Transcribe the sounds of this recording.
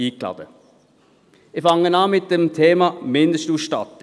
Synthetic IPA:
iːkʰlɑ̰d̥ə | ɪfɑŋənɑːmɪt̪̚d̥emt̪ʰeːmɑmɪnd̪əʃtuːʃtɑt̪

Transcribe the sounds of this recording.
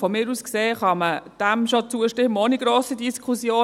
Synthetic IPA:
fɔmɪːɾuːskseːχɑməd̥æmʃot͡suəʃtɪmːəoniɡ̥ɾoːsidiskʰχusjoː

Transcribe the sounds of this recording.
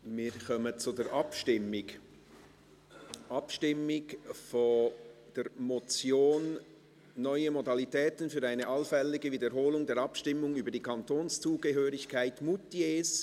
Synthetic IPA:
miːkʰɔmət͡sudɛːɾʔɑpʃɪmɪɡ | ʔɑpʃtɪmɪɡfod̥ɛɾmot͡sjoːnː | œʏəmodɑlitɛːtənfyːɾaɪnəʔɑlfɛlɪɡəviːdəɾɦoːlʊŋdɛːɾɑpʃtɪmːʊŋyːbəɾdiːkʰɑntoːnst͡suːɡəɦøːɾɪçkʰaɪtmutieːs

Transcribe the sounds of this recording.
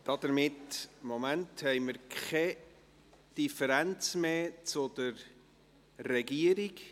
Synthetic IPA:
d̥ɑd̥̪əɾmɪtmomænthɛɪməɾkɛ | d̥ifəɾænt͡smeːt͡sʊd̥̪əɾː | ɛɡiəɾiɡ

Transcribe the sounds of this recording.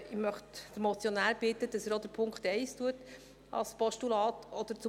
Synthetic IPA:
ɪmœχtd̥̪əɾmɔt͡sjonæːɾb̥ɪt̪əd̥ɑsæɾod̥̪əɾpʰʊŋkχt̪ɛɪstuət | ɑ̰lspɔʃtulɑːt̪ɔd̪̥əɾt͡sʊ

